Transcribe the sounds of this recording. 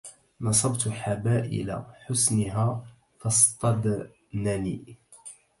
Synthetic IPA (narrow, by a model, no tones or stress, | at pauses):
nɑsˤɑbt̪ħabaːʔɪ̰la̰ħʊsnɪɦa | fɑsˤt̪ˤːɑd̪ | nani